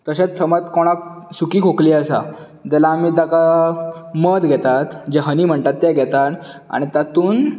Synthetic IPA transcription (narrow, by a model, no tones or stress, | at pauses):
t̪əɕẽt͡ssəmət̪koɽ̃ak̚ | sukiːkʰokliːəsa̰ | d͡ʑ̪ɛlaːmiːd͡zaka | məd̪ɡʱɛt̪at̪d͡ʑeɦəniːm̤əɳt̪at̪ːɛɡʱɛt̪an | a̰ɽ̃it̪at̪uːn